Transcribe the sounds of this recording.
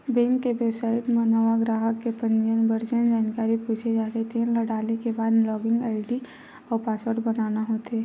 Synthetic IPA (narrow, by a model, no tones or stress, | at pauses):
bɛ̃ŋkːeʋjɛbsaːɪʈmənaʋaɡɾaːɦəkkːepə̃nd͡ʒənbəɾd͡ʒənd͡ʒaːnkaːɾipuːt͡ʃʰed͡ʒaːt̪et̪ʰeɦɛ̃ləɽaːlekebaːd̪lɔːɡɪ̃ŋɡaːɪɖi | ɔːɾpaːsəɾɖbɐnaːnaɦot̪eː